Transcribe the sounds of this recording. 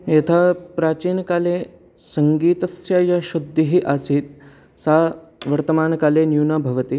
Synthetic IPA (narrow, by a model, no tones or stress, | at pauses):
jet̪ʰapɾaːt͡ɕiːnkaːle | səŋɡiːt̪əsjajaɕud̪ʱːiɦiːʔasiːt̪̚ | saʋɐɾt̪əmaːnkaːlenjunabʱɐʋət̪i